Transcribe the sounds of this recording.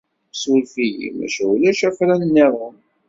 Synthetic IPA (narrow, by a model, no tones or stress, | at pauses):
sulfij̰mæ̰ʃæulæʃæfɾænənːiðˤən